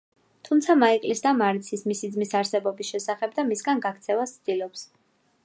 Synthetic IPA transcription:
t̪ʰumt̪sʰamaikʼlisd̪amaɾt̪sʰismisid̪zmisaɾsɛbɔbisʃɛsaχɛb̚d̪amisɡanɡakʰt̪sʰɛvast̪sʰd̪ilɔps

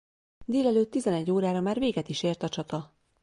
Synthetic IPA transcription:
d̪eːlɛløːt̪ːizɛnɛɟːoːɾaːɾɒmaːrveːɡɛt̪iʃeːrt̪ɒt͡ʃɒt̪ɒ

